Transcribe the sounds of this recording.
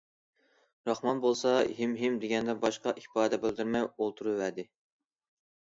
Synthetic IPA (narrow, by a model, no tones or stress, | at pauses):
ɾɑχmɑnbolˠsɑɦimɦimd̪eɡʲɛnd̪ɛbɑʃqɑʔipɑːd̪ɛbeld̪yɾmɛjolˠt̪ʰuɾuwæd̪ɪ